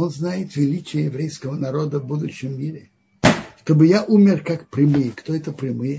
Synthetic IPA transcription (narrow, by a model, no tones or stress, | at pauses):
onznajɪt̪vʲɪlʲit͡ɕɪjəjɪvɾʲejskəvənɐɾod̪əvbud̪ʊɕːɪmːʲiɾʲɪ | ʂt̪obɨjaʔumʲɪrkakpɾʲɪmɨjəkt̪oɛt̪əpɾʲɪmɨjə